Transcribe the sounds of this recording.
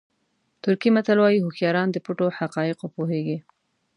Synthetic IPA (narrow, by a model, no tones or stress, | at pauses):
t̪ʊɾkimat̪alwɑjiɦʊxjɑɾɑnd̪əpuʈoħaqɑjɪqwopoɦeɡi